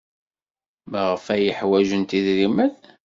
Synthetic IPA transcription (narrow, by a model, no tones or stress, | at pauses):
mʁəfæjəħwæʒənt̪iðɾimæð